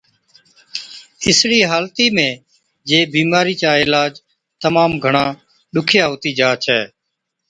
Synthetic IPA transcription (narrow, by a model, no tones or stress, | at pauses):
ɪsɽiːɦaːlt̪iːmẽː | d͡ʒeːbiːmaːɾiːt͡ʃaːɪlaːd͡ʒ | t̪əmaːmɡʱəɳãː | ɗʊkʰɪjaːɦoːt̪iːd͡ʒaːt͡ʃʰɛː